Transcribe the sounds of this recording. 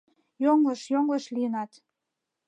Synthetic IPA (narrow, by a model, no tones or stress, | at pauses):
joŋləʃjoŋləʃlijənɑt̪